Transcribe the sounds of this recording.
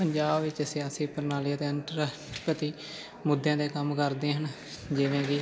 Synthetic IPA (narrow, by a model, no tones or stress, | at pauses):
pəɲd͡ʒaːbʋɪt͡ʃsjaːsiːpəɾnaːliːt̪eːənʈəɾ | pət̪iː | mʊd̪jãːd̪eːkəmkəɾd̪ẽːɦən | d͡ʒɪːʋẽːɡiː